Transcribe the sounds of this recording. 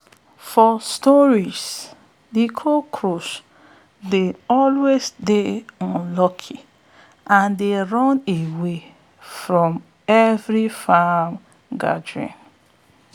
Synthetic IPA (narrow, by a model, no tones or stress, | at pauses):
fɔstɔɹis | dikʰokʰɹos | deɔlwesdeɔ̃nlɔkʰi | ʔãndeɹɔ̃newe | fɹɔ̃m | ɛvɹifam | ɡa̰dɹḭ̃n